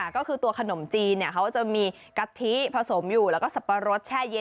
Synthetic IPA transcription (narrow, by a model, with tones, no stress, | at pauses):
kɔː˥˩kʰɯː˧t̪u˧ɐkʰa˧no˩˦mt͡ɕiː˧nːi˥˩ɐkʰa˦˥wt͡ɕa˨˩miː˧ | ka˧t̪ʰi˦˥pʰa˧so˩˦mjuː˨˩lɛː˦˥wkɔː˥˩sa˨˩pːa˧ɾo˦˥t̪̚t͡ɕʰaː˥˩je˧